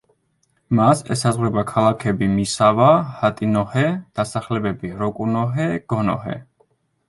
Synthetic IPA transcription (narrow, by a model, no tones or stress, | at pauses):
masɛ̰sazʁwɾɛbakʰalˠakʰɛbimisavahat̪ʼinɔhɛd̪̥asaχlɛbɛbiɾɔkʼunɔɦɛɡ̥ɔnɔ̰hɛ̰